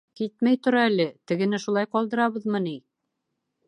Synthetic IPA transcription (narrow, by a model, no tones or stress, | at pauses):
kit̪mæjt̪ŏɾɑælɘt̪ɘ̆ɡɘ̆nɘʃulˠɑjqɒlˠd̪ɤ̆ɾɑβɤðmɤni